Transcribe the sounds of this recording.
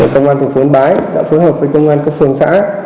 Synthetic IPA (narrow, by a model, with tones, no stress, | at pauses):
e˨˩kə˧wŋ͡mʔaː˧nt̪ʰŋfu˨˦ənɓaː˨˦jɗa̰ː˧˥foː˨˦jɦəː˨˩p̚vəː˨˦jkə˧wŋ͡mʔaː˧nka˦˥k̚fɨ˧˩əŋsa̰ː˧˥